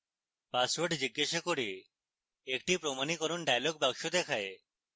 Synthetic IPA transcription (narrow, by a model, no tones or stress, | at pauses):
pasʋɔɾɖd͡ʒɪɡːeʃekoɽi | ekʈipɾomanikɔɾunɖajlɔɡ̚baɡʃod̪ekʰaje